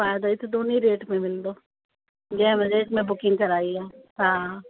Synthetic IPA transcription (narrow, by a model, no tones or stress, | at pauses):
faːjd̪aɪt̪ʰd̪oːniɾeːʈmẽmɪld̪oː | ɡɛːməɾeːʈmẽbʊkɪ̃ŋɡkɐɾaːiɛːta